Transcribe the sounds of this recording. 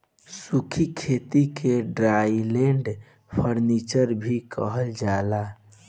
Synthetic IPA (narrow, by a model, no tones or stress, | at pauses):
sukʰikʰet̪ikʰeɖɾajleɳɖ | pʰəɾnit͡ʃəɾbʱikə̰ɦəld͡ʒala